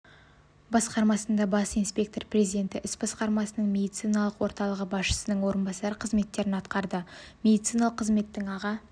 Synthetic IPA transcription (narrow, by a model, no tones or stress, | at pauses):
bɑsqɑɾmɑsənd̪ɑbɑsijnspʲe̞kt̪o̞rprezijd̪ʲe̞nt̪ɪʔɪsbɑsqɑɾmɑsənəɴmʲe̞d̪it̪sijnɑlˠəqwo̞ɾt̪ɑlˠəʁəbɑsʃə̥sənəɴwo̞ɾənbɑsɑɾəqʰəzme̞t̪ːe̞ɾɪnɑt̪qɑɾd̪əme̞d̪ijt̪sijnɑlˠəqʰːəzme̞t̪ːɪŋɑʁɑ